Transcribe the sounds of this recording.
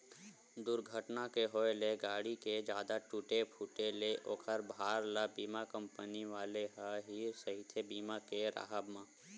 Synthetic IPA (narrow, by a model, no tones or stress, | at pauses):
d̪ʊɾɡʱəʈnakeɦoːeleɡaːɽiked͡ʒjaːd̪aʈuʈepʰuʈeleʔoːkʰəɾbʱaːɾlabiːmakə̃mpəniʋaːleɦəɦisəɦit̪ʰebiːmakeɾa̰ɦəbmãː